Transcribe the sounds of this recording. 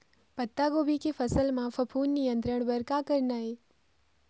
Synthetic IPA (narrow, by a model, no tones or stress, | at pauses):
pət̪ːaɡobʱikefəsəlmãfəpʰuːnːijə̃nt̪ɾəɳ̃bəɾkakəɾnaːɦe